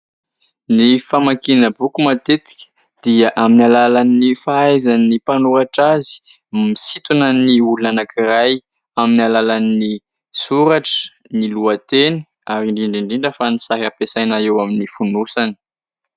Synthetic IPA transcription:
nifamakinəbukumat̪et̪i̥kʲə̥ | d̪̥iaʔaminalalanifaajzanːipanuaʈ͡ʂazi̥ | misit̪unəniuluanakiraj | aminalalani | suɾaʈ͡ʂə̥ | niluat̪eni | aɾiɳɖ͡ʐiɳɖ͡ʐiɳɖ͡ʐiɳɖ͡ʐəfanisaɾapesajnaewaminifunusani̥

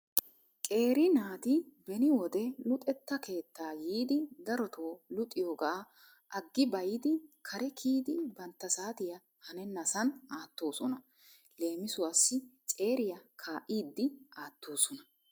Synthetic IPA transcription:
kʼe̞ːɾɪnaːt̪ɪbɛnɪwɔd̪ɛlʊt̪ʼɛt̪ːɐkʰe̞ːt̪ːaːjiːd̪ɪd̪ɐɾɔt̪ʰoːlʊt̪ʼːɪjoːɡɐː | ʔɐɡːɪbɐjɪd̪ɪkʰɐɾɛkʰiːd̪ɪbɐnt̪ːɐsaːt̪ɪjɐ | hɐnɛnːɐsɐnaːt̪ːo̞ːsɔnɐ | le̞ːmɪsʊwasːɪt͡sʼe̞ːɾɪjɐkʰaːʔiːd̪ːɪʔaːt̪ːoːsɔnɐ

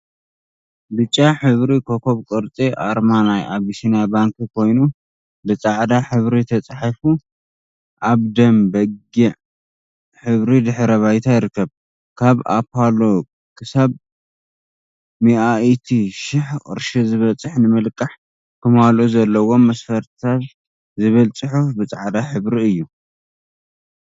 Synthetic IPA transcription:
bɨt͡ʃʼːaħɨβɾikʰokʰo̞βkʼɨɾt͡sʼiʔaɾmanajʔaβisinjabaŋkʰikʰo̞jnu | bɨt͡sʼaʕd̪aħɨβɾit̪ʰɐt͡sʼaħafu | ʔaβd̪ɐmbɐɡiʕ | ħɨβɾid̪ɨħɾɐβajt̪ʰajɪɾɨkːɐβ | kʰaβa̰pʰalo̞ | kʰɨsaβ | miʔaʔt̪ʰiʃɪħkʼɨ̰ɾʃizɨβɐt͡sʼɨħnɨmɨlkʼːaħ | kʰɨmaluzɐlːɐwo̞mɐsfɐɾt̪ʰat̪ | zɨβɨlt͡sʼɨħufbɨt͡sʼaʕd̪aħɨβɾiɨjːu

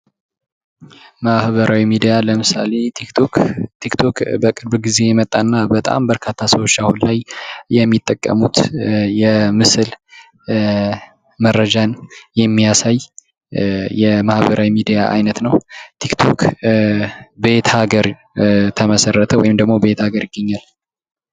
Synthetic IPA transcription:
mahbəɾʔawimid̪ijaləmɨsa̰le̞t̪iot̪ʰikt̪ʰokbəkʼɨɾbɡize̞jɛmət̪ʼːanːabət̪ʼa̰mbəɾkʰat̪ʰːasəwot͡ʃːahunlajjɛmːit̪ʼːəkʼːə̰mut̪jɛmɨsɨl | məɾːəd͡ʒanjɛmːijasaj | jɛmahbəɾawimid̪ijaʔa̰jnət̪nəwt̪ʰikt̪ʰo̞k | be̞t̪ʰhaɡəɾ | t̪ʰəməsərːət̪ʰəwɔ̰jimd̪əɡmo̞be̞t̪haɡəɾjɪɡːəɲːal

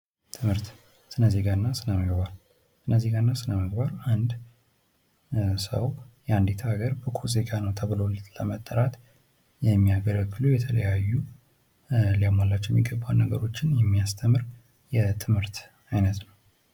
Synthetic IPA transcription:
t̪ʰɨmhɨɾt̪ | sɨnəze̞ɡanːasɨnəməɡbaɾ | sɨnəze̞ɡanːasɨnəməɡ̚baɾand̪ | sə̰wjɛand̪it̪ʰaɡəɾbəkʰoze̞ɡanəwt̪ʰəβɨlolləmət̪ʼːəɾat̪ | jɛmːiaɡələɡːɨlujɛt̪ʰələjajːu | ljamalːat͡ʃːɛjɛmːiɡəbːawnəɡə̰ɾo̞t͡ʃːɪnjɛmːiast̪ʰəmɨɾ | jɛt̪ʰɨmhɨɾt̪ | ajnət̪nəw

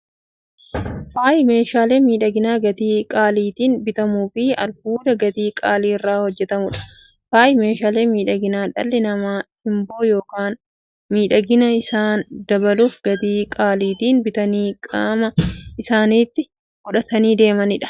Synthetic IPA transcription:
faːjme̞ːʃaːleːmiːᶑɐɡɪnaːɡɐt̪iːkʼaːliːt̪iːnbɪt̪ɐmuːfɪɐ̰lbuːd̪ɐɡɐt̪iːkʼaːliːɪrːaːhɔd͡ʒːɛt̪ɐmʊᶑɐ̥ | faːjme̞ːʃaːleːmiːᶑɐɡɪnaːᶑɐ̰lːɛnɐmaːsɪmbo̞ːjo̞ːkaːn | miːᶑɐɡɪnɐɪsaːnd̪ɐbɐluːfɡɐt̪iːkʼaːliːt̪iːnbɪt̪ɐniːkʼaːmɐɪsaːniːt̪ːɪ | hʊᶑɐt̪ɐniːd̪e̞ːmɐnɪᶑɐ̥

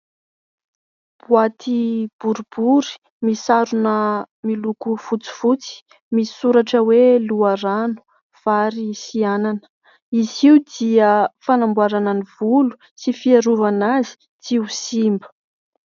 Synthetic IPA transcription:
b̥uat̪ʰib̥uɾubuɾi̥ | misaɾunə | milukufut͡si̥fut͡si̥ | misuɾaʈ͡ʂəweluaɾanu̥ | v̥aɾisiananə̥ | iziwd̪iəfanambuaɾananivulu̥ | sifiaɾuvanazi̥ | t͡siusimbə̥

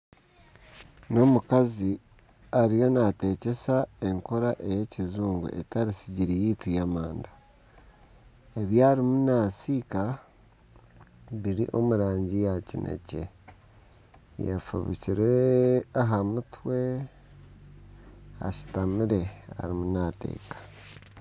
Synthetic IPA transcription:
no̞mukazi | aɾijo̞nate̞ce̞sae̞ŋko̞ɾaʔe̞je̞cizuːŋɡṵʔḛtaɾisiɟiɾijiːtujamaːnda | e̞βjaːɾimunaːsiːka | βiɾḭʔo̞̰muɾaːɲɟijacinʔḛce̞̰ | jḛfṵβḭciɾeaɦamutwe̞ | a̰ʃi̥tamiɾe̞a̰ɾimunate̞̰ːkḁ

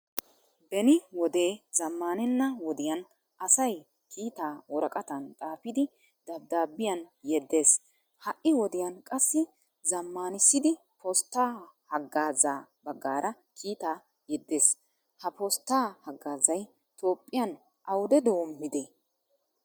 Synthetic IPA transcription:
bɛnɪwɔd̪e̞ːz̥ɐmːaːnɛnːɐwɔd̪ɪjɐn | ɐsɐj | kʰiːt̪aːwɔɾɐkʼɐt̪ɐnt̪ʼaːfɪd̪ɪ | d̪ɐbd̪aːbɪjɐnjɛd̪ːe̞ːs | hɐʔɪwɔd̪ɪjɐnkʼɐsːɪ | zɐmːaːnɪsːɪd̪ɪ | pʰost̪ːaːhɐɡːaːzaːbɐɡːaːɾʔɐ | kʰiːt̪aː | jɛd̪ːeːs | hɐpost̪ːaːhɐɡːaːzɐj | t̪oːpʼːɪjɐn | ʔɐwʊd̪ɛd̪ɔwɔmːɪd̪ɛ

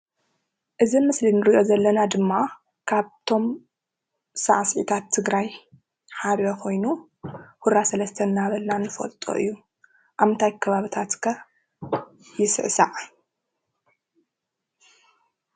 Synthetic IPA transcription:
ʔɨzimɨslinɨɾiʔo̞zɐlːɐnad̪ɨmːa | kʰaβt̪ʰo̞m | saʕsʕḭt̪ʰat̪ʰːɨɡɾaj | ħaβokʰo̞jnu | huɾɾasɐlɐst̪ʰɐnːaβɐlnanɨfɐ̰lt̪ʼo̰ʔɨ̰jːu | ʔaβnt̪ʰajkʰɐβaβɨt̪ʰat̪kʰɐ | jɪsɨ̰ʕsa̰ʕa

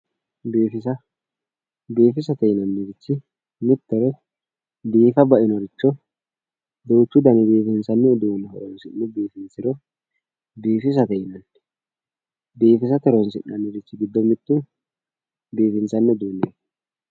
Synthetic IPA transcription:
beːfɪsɐ | beːfɪsɐt̪ɛjɪnɐnːɪɾɪt͡ʃːɪ | mɪt̪ːɛɾɛ | d̪iːfɐbɐʔɪnɔɾɪt͡ʃːɔ | d̪ɛwʊt͡ʃːʊd̪ɐnɛbeːfɪnsɐnːɛːd̪unːɛhɔɾɔnsɪnːɛbeːfɪnsɪɾɔ | beːfɪs̬ɐt̪ɛjɪnɐnː | be̞ːfɪs̬ɐt̪ɛɾɔnsɪ̰nːɐnːɪɾɪt͡ʃːɪɡɪd̪ːɔmɪt̪ʼːʊ | beːfɪnsɐnːɛd̪unːɛ

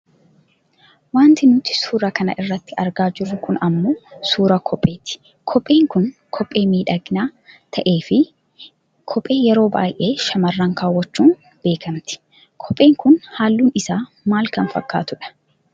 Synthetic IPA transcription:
waːnt̪ɪnʊt̪ɪ̥suːɾɐkɐnɐ̰ʔɪrːɐt̪ːɪɐɾɡaːd͡ʒɪɾːʊkʊnɐmːoːsuːɾɐkʰɔpʼːe̞ːt̪ɪ̥ | kʰɔpʼːe̞ːŋkʊnkʰɔpʼːe̞ːmiːᶑɐɡnaːt̪ʰɐʔe̞ːfɪ | kʰɔpʼːe̞ːjɛɾo̞ːba̰ːjʔeːʃɐmɐrːɐŋkaːwɔt͡ʃːuːn | b̥e̞ːkɐmt̪ɪ̥ | kʰɔpʼe̞ːŋkʊnhaːlːuːnɪsaː | maːlkɐnfɐ̰kːa̰ːt̪ʊᶑɐ̥

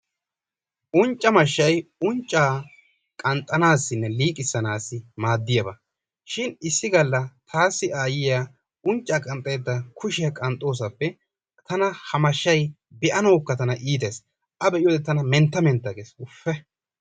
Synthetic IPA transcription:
ʔʊnt͡ʃʼːɐmɐʃːɐjʊnt͡ʃʼːaː | kʼɐnt̪ʼːɐnaːsːɪnːɛliːkʼɪsːɐnaːsɪmaːd̪ːɪjɐbɐ | ʃɪnɪsːɪɡɐlːɐt̪ʰaːsːɪaːjɪjaː | ʊnt͡ʃʼːaːkʼɐnt̪ʼːɐjːd̪ːɐkʰʊʃɪjɐkʼɐnt̪ʼːo̞ːs̬ɐpːɛ | t̪ɐnɐhɐmɐʃːɐj | bɛʔɐnoːkːɐt̪ɐnɐʔiːt̪eːs | ʔɐbɛʔɪjoːd̪ɛt̪ɐnɐmɛnt̪ːɐmɛnt̪ːɐɡeːsʊfːɛ

